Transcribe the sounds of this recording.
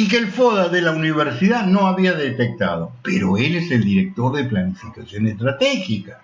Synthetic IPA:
ik̬elfoðaðelauniβ̞eɾsiðanoaβiaðet̪ek̚t̪a̰ðopeɾoeleseld̪iɾek̚t̪oɾðeplanifikasjonest̪ɾat̪exika

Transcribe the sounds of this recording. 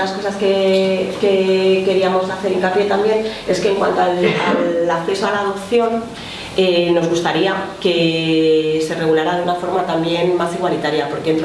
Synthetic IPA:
asko̞saske̞ke̞ke̞ɾiamo̞saθe̞ɾiŋkapje̞t̪ambje̞ne̞ske̞ːŋkwa̰nt̪oala̰lakθe̞soalaːðo̞pθjo̞n | eno̞zɣust̪aɾiake̞ | se̞re̞ɣulaɾaðeunafo̞ɾmat̪ambje̞nmasiɣwalit̪aɾjapo̞ɾkeent̪

